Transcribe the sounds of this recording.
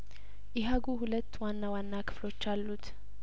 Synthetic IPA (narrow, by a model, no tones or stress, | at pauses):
ʔɛɦaɡuɦulət̪ːwanːawanːakʰɨ̥flo̞t͡ʃːalːut̪